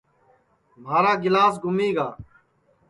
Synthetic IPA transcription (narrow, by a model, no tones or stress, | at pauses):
m̤aːɾaːɡɪlaːs̬ɡʱʊmiːɡaː